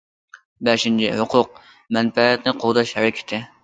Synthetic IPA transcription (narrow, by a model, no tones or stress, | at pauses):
bɛʃɪnt͡ʃʰɪ̰hʊqʰʊq̚ | mɛnfɛɛt̪nɨqʰod̪ɑʃhɛɾɪkʲʰɪ̥t̪ʰɪ